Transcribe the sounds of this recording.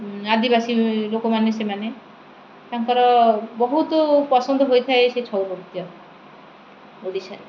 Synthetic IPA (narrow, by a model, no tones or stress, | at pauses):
ad̪ibasilokomanesemane | t̪aŋkɔɾɔbɔɦut̪opɔsɔnd̪ʱɔɦojt̪ʰaeʃet͡ʃʰɔwɾoɾt̪ijɔ | oɖisaɾ